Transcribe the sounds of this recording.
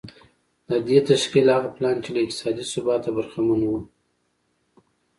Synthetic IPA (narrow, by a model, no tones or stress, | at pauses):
d̪əd̪et̪aʃkilhaɣaplɑnt͡ʃelaɪk̚t̪ɪ̥sɑd̪isʊbɑt̪abaɾxamanwu